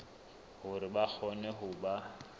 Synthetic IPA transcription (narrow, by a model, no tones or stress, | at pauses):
hʊɾɪbak͡xʰɔnɛɦʊba